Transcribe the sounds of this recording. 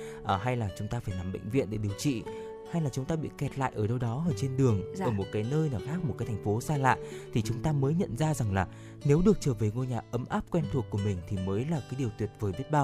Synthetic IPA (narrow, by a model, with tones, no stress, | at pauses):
ʔɦa˧jlaː˨˩t͡ɕʊ˨˦ŋ͡mt̪aː˧faː˧˩jnaː˨˩mɓə̰˧˨jŋ̟vḭ˧˨ənɗe˧˩ɗi˨˩əwt͡ɕḭ˧˨ | ha˧jlaː˨˩t͡ɕʊ˨˦ŋ͡mt̪aː˧ɓḭ˧˨kɛ˨˩t̚la̰ː˧˨jʔəː˧˩ɗə˧wɗɔ˨˦ʔəː˧˩t͡ɕe˧nɗɨ˨˩əŋʔəː˧˩mo˨˩t̚kaː˨˦jnəː˧jnaː˨˩xaː˦˥k̚m̚˨˩aː˨˦t̪ʰa˨˩ŋ̟fo˨˦saː˧la̰ː˧˨jt̪ʰi˨˩t͡ɕʊ˨˦ŋ͡mt̪aː˧məː˨˦jɲə̰˧˨nzaː˧za˨˩ŋlaː˨˩ | ne˨˦wɗɨ˨˩ək̚t͡ɕəː˧˩ve˨˩ŋo˧jɲaː˨˩ʔə˨˦mʔaː˦˥p̚kwɛ˧nt̪ʰu˨˩əkːu˧˩əmï˨˩ŋ̟t̪ʰi˨˩məː˨˦jlaː˨˩kaː˨˦jɗəwt̪wi˨˩ət̚vəː˨˩ɓi˦˥ət̚ɓaː˧w